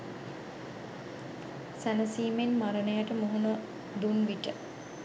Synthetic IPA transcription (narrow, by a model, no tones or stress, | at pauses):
sænəsiːmenmaɾənəjaʈəmoɦunə | d̪unʋiʈə